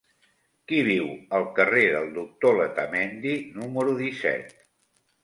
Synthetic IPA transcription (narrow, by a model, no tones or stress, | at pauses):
kiβ̞iwəlˠkəreðəlˠd̪uk̚t̪olət̪əmɛnd̪inuməɾuðisɛ̰t̪